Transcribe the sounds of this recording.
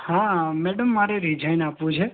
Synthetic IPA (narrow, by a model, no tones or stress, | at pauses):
hãmeɖəmːaːɾeɾid͡ʒʱajnaːpʋũt͡ʃʰe